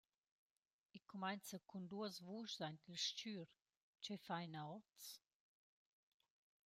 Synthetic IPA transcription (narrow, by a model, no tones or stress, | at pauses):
ikʰumajnt͡səkʰund̪uəzvuʃzantilʃt͡ʃyɾ | t͡ʃɛfajnaɔt͡s